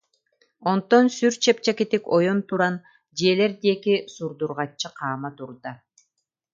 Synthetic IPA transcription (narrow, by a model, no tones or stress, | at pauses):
o̞nt̪onsyɾt͡ʃʰep̚t͡ʃeket̪ikojont̪uɾɑn | d͡ʒeːle̞ɾd̪ekisuɾd̪uɾʁɑt͡ʃːɯqʰɑːmɑt̪uɾd̪ɑ